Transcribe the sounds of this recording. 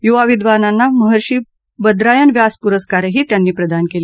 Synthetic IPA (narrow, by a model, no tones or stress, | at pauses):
juʋaʋid̪ʋananːaməɦəɾɕiː | bəd̪ɾajənʋjaspuɾəskaɾɦiːt̪janːiːpɾəd̪ankele